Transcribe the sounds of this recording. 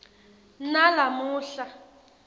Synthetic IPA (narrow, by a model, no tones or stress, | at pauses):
nalamuːɬa